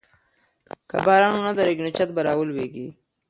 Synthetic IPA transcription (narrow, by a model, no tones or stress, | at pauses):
ka̰bɑːɾɑnonad̪aɾeɡnut͡ʃat̪̚baɾɑːwəlweɡi